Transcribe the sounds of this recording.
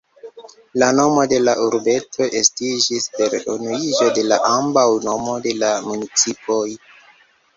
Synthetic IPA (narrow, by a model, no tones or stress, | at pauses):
lano̞mo̞de̞laʔuɾbe̞tʰo̞ʔestid͡ʒispe̞ɾonuid͡ʒo̞de̞laʔambawno̞mo̞de̞lamunit͡sipʰo̞j